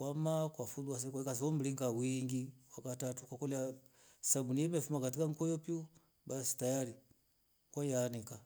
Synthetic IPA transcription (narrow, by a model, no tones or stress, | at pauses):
kwamakwafulwas̬ɛkakas̬iɔmbiliŋkawiŋɡiwakatatukwakɔlia | sabunijɛmɛfumakatikaŋ̩kɔjɔpju | basi̥tajaɾi | kwajanɛka